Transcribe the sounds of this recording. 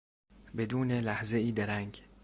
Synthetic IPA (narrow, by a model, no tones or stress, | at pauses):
bed̪uːnelæhzeiːd̪eɾæŋɡ